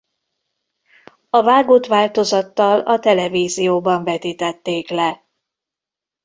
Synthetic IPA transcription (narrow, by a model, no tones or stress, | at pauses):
ɒvaːɡoːt̪ʋaːlt̪o̞zɒt̪ːɒlɒt̪ɛlɛviːzijoːbɒɱvɛt̪iːt̪ɛt̪ːeːklɛ